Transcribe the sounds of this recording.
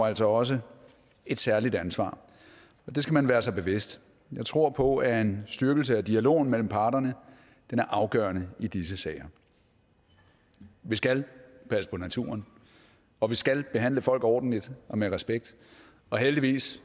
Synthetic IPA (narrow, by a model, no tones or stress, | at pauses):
æl̰sɒ̽ɒ̽s̬ə | e̝d̥sæɐlid̥ænsʋɑ̰̈ː | ɒ̽d̥e̝sɡ̥æmænʋæːɐsɑ̈ɪb̥e̝ʋe̝sd̥ | jɑ̈ɪt͡sʰʁo̝ɐ̰pʰɒ̽æe̝nsd̥ɶɐɡ̥l̩s̬əæd̥iælo̝̰ːnmel̰m̩pʰɑ̈ːɾ̥ɐnə | d̥enæɐʔɑ̈ʊɡ̥ɶ̰ːɐnəid̥is̬əsɛːɪɐ | ʋisɡ̥ælpʰæsə̥pʰɒ̽næt͡sʰṵːɐn | ɒ̽ʋisɡ̥ælb̥e̝ɦæn̰ləfɒ̽l̰ɡ̥ɒːd̥n̩lid̥ɒ̽meʁɛsb̥eɡ̥̚d̥ | ɒ̽ɦeld̥iʋḭːs